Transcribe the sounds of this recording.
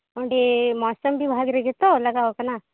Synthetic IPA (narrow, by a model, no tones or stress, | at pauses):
oɳɖemɔsəmbʱibʱaɡɾeɡet̪olɐɡaʋokɐna